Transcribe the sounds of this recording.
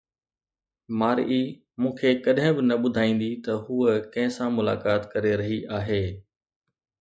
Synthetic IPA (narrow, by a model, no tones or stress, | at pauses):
maːɾ̰ʔi | mũːkʰekɐɗɦɪ̃bɪnɐɓʊd̪ʱaːĩːn̆d̪it̪ɐɦuəkɐ̃ɦɪ̃sãmʊla̰ːkaːt̪kɐɾeɾɐɦiʔaːɦeː